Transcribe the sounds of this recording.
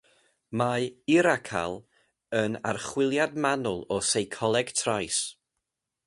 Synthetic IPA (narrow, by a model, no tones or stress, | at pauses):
maɪɾakʰa̰lˠ | əna̰rχwɪlˠjadmanʊlˠɔsejkʰɔlˠɛɡ̥tʰrajs